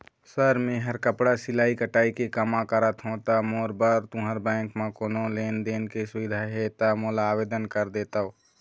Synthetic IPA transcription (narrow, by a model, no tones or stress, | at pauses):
səɾmẽːɦəɾkəpɽasɪlaːikəʈaːikekəmãkəɾət̪ɦõt̪amoːɾbəɾt̪ũɦəɾbɛ̃ːŋkmãkoːnõleːnd̪eːnkesʊʋɪd̪ʱaɦet̪amoːlaːweːd̪ənkəɾd̪eːt̪aoː